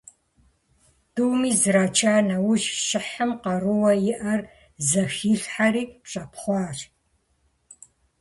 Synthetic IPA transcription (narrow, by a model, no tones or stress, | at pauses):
d̥uwmiːzɨraːt͡ʃʰaːnɐwʊʒʃɪħəmqɐrɨwɐjɪʔɐr | zɐxiːɬħaɾiːpɕʼɐpχʷɑːɕ